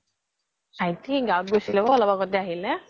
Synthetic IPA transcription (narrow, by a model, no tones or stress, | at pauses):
ajt̪ʰiɡawɔt̪̚ɡɔsilɛbɔɔlɔbakɔt̪ɛaɦilɛ